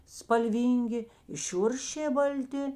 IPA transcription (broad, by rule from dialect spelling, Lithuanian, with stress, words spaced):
spɐlʲˈʋʲiːŋʲɡʲɪ ɪ ˈʃʲʊrʲʃʲeː bɐlʲˈtʲɪ